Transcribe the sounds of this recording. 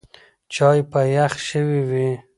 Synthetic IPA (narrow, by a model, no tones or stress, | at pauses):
t͡ʃɑjpajaxʃəwiwi